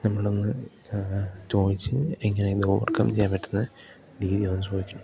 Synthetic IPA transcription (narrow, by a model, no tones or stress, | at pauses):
nɐmːɐɭo̞nːɨ | t͡ɕo̞ːðit͡ɕːɨeŋːɐned̪oːʋɐ̰rkɐ̰mt͡ɕejaːmpɐʈːunːɨ | ɾiːðijoːnːusoːjikʲːuɳːu